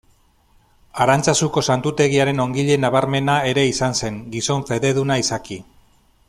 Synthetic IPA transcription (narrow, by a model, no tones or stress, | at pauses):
aɾant͡sasuko̞sant̪ut̪e̞ɣ̞iaɾe̞no̞ŋɡiʎe̞naβaɾme̞nae̞ɾe̞isanse̞ŋɡiso̞ɱfe̞ðe̞ð̞unaisaki